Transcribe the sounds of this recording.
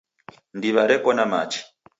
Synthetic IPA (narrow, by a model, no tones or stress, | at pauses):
ndiβaɾɛkɔnamat͡ʃi̥